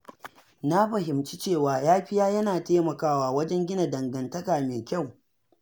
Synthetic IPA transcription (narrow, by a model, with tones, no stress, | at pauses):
na˦ɸɐ˨ɦɪ˨mt͡ʃi˦t͡ʃeː˦˨waː˨jaː˦ɸɪ˦jaː˦jɐ˦naː˨taː˦mɐ˨kaː˦waː˦wɐ˦d͡ʒɛ˦ŋɡʲɪ˦na˨dɐ˨ŋɡɐ˨ntɐ˦kaː˨meː˨kʲa˦˨w